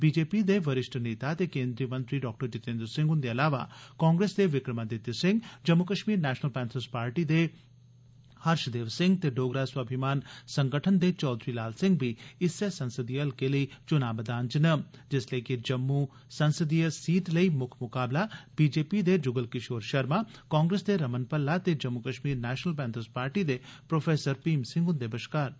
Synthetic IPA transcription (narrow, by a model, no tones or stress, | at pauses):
biːd͡ʒeːpid̪eʋəɾɪʃʈneːt̪at̪ekẽːnd̪ɾijəmɐ̃nt̪ɾiɖɔːk̚ʈəɾt͡ʃɪt̪ẽːnd̪ɾəsɪ̃ŋɡʊnd̪eɐlaːʋa̰kɔːŋɡɾeːsd̪eʋɪkɾəmad̪et̪jəsɪ̃ŋɡd͡ʒɐmːukəʃmiːɾnɛːʃnəlpɛːnsʰəɾspaːɾʈid̪e | hɐɾʃd̪eːʋsɪ̃ŋɡt̪eɖoːɡɾaːswabʱɪmaːnsɐ̃ŋɡəʈʰənd̪et͡ʃɔːd̪ɾilaːlsɪ̃ŋɡ̚bʱiɪsːesɐ̃nsəd̪ijəlkeləit͡ʃʊnaːbd̪aːnt͡ʃɪnəmd͡ʒɪslekid͡ʒɐmːu | sɐnsəd̪ijəsiːʈlɐimʊkʰmʊkaːblabiːd͡ʒeːpid̪ed͡ʒʊɡəlkɪʃoːɾʃɐɾmakãːŋɡɾesd̪eɾɐmənpɐlːat̪ed͡ʒɐmːukɐʃmiːɾnɛːʃnəlpɛːnt̪ʰəspaːɾʈid̪epɾoːfʰeːsəɾpiːmsɪ̃ŋɡʊnd̪eːbəʃkaːɾ